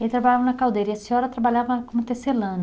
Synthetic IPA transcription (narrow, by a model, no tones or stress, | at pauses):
elɪt̪ɾabaʎavɐ̃nɐkawd̪ejɾɐiɛsiɔɾɐt̪ɾabaʎavɐkõmʊt̪eselɐ̃n